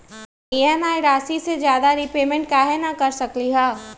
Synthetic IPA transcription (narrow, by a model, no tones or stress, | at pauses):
iɛmaːjɾaːsised͡ʒjaːd̪aɾipeːmẽɳʈ̚kaɦɛnakɐɾsɐkliɦaː